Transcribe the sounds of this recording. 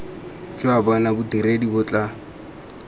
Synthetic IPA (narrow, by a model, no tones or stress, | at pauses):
d͡ʒʊabɔnabʊdiɾedibʊt͡ɬʼa